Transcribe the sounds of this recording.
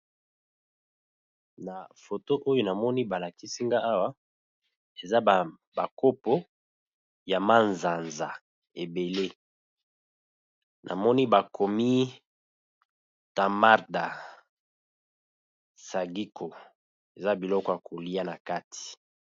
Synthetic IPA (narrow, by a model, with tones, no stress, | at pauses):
na˨fo˨to˦ʔo˦jo˦na˨mɔ˦ni˦ba˨la˨ki˦si˦ŋɡa˦a˦wa˦ | e˨za˦˨ | ba˨ko˦po˦ | ja˨ma˦nza˨nza̰˨ | e˨be˨le˦ | nʔa̰˨mɔ˦ni˦ba˨kʰɔ˨mi˦ | ta˨ma˦ʁda˨ | sa˨ɡi˦kʰo˨ | e˨za˦bi˨lɔ˦kɔ˦ja˨ko˨li˦a˦na˨ka˦ti̥˨